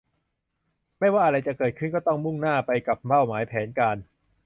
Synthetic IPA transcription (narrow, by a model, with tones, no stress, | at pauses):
ma˥˩jwaː˥˩ʔa˧ɾa˧jt͡ɕa˨˩kɤː˨˩t̪̚kʰɯ˥˩nkɔː˥˩t̪ɔ˥˩ŋmu˥˩ŋnaː˥˩pa˧jka˨˩p̚baː˥˩wmaː˩˦jpʰɛː˩˦nkaː˧n